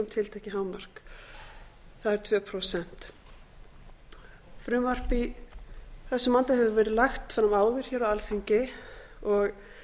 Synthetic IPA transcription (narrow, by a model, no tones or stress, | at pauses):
ʏmt̪ʰɪlt̪ʰecɪɦaːwmar̥k | θaðɛɾ̥t̪ʰvɛːpʰɾosɛn̥t̪ | fɾʏmvar̥pi | θɛsːʏmant̪ahɛvʏvɛːɾɪðlaxt̪fɾamaːwðʏɾ̥çɛːɾawalθiɲcɪ | ɔɣ